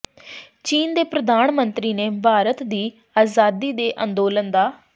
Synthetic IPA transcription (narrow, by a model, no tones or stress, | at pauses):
t͡ʃiːnd̪eːpɾəd̪aːnmənt̪ɾiːnẽːbʱaːɾət̪d̪iː | aːzaːd̪iːd̪eːʔə̃nd̪oːlənd̪aː